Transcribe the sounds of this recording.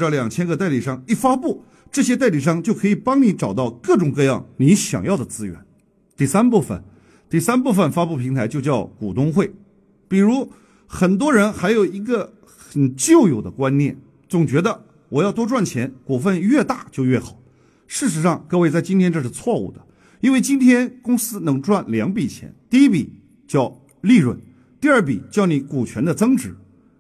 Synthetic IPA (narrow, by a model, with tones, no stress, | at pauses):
ʈ͡ʂə˥˩ljɑ˨˩ŋt͡ɕʰjɛ˥nɡɤ˥˧t̪a˥˩ɪli˨˩ʂɑ˥˧ŋi˥˩fa˥pu˥˩ | ʈ͡ʂɤ˥˩ɕ̬jɛ˥t̪a˥˩ɪli˨˩ʂ̬ɑ˥˧ŋt͡ɕjo˥˩ʊkʰɤ˧˥i˨˩pɑ˥ŋni˧˥ʈ͡ʂɑ˨˩ʊt̪ɑ˥˧ʊkɤ˥˩ʈ͡ʂʊ˨˩ŋkɤ˥˧jɑ̰˥˩ŋni˧˥ɕjɑ̰˨˩ŋjɑ˥˩ʊd̪ə˩t͡sɹ̩˥ɥɛ̰˧˥˦n | t̪i˥˩sa˥npu˥˩fə̰˩n | t̪i˥˩sa˥npu˥˩fə˨˩nfa˥pu˥˩pʰi˧˥ŋt̪ʰa˧˥ɪt͡ɕjo˥˧ʊt͡ɕjɑ˥˩ʊkṵ˨˩t̪ʊ˥ŋxwe˥˩ɪ | pi˨˩ɻu˧˥ | xə˨˩nt̪̬wɔ˥ɻə˧˥nxa˧˥ɪjo˨˩ʊi˧˥ɡə˥˧ | xə˨˩nt͡ɕjo˥˩ʊjo˨˩ʊd̪ə˦kwa˥nnjɛ̰˥˩n | t͡sʊ˨˩ŋt͡ɕɥɛ˧˥d̪ə˧ | wɔ˨˩jɑ˥˩ʊt̪wɔ˥ʈ͡ʂwa˥˩nt͡ɕʰjɛ˧˥nkwɔ˨˩fə˥˧nɥɛ˥˧t̪a˥˩t͡ɕjo˥˧ʊɥɛ˥˩xɑ˨˩˦ʊ | ʂɻ̩˥˩ʂ̬ɻ̩˧˥ʂɑ˥˧ŋkɤ˥˧we˥˧ɪt͡sa˥˩ɪt͡ɕi˥nt̪jɛ˥nʈ͡ʂɤ˥˧˩ʂɻ̩˥˧t͡sʰwɔ˥˧ṵ˥˩d̪ə˩ | i˥nwe˥˩ɪt͡ɕi˥nt̪ʰjɛ˥nkʊ˥ŋsɹ̩˥nɤ˧˥ŋʈ͡ʂwa˥˩nljɑ˧˥ŋpi˨˩t͡ɕʰjɛ̰˧˥nt̪i˥˩i˥pḭ˨˩ | t͡ɕjɑ˥˧ʊ | li˥˧ɻwə̰˥˩n | t̪i˥˧ə˞˥˩p̬ḭ˨˩t͡ɕjɑ˥˩ʊni˧˥ku˨˩t͡ɕʰɥɛ˧˥nd̪ə˧t͡sɤ˥ŋʈ͡ʂɻ̩˧˥